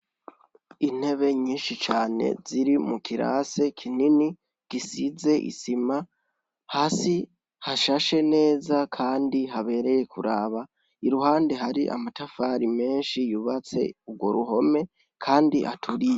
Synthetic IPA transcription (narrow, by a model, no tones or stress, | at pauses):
in̥he̞βe̞ɲiːnʃit͡ʃaːne̞̰ziɾimukʰiɾa̰se̞kʰinini | ɡ̥isize̞ʔḭsima | haːsi | haʃaʃe̞ne̞ːzakʰaːndiɦaβe̞ɾe̞je̞kʰuɾaːβa | iɾuhaːndeɦaɾiʔa̰matafaɾime̞ːnʃijuβat͡se̞̰ub̚ɡwo̞̰ɾuɦo̞me̞ | kʰaːndiʔa̰tʰuɾije